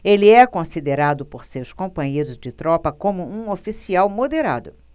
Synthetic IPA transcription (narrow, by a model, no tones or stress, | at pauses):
eliɛkõsid̪eɾad̪ʊpoɾsewskõmpɐ̃ɲejɾʊzd͡ʒɪt̪ɾɔpɐkõmʊũofisiawmod̪eɾa̰d̪ʊ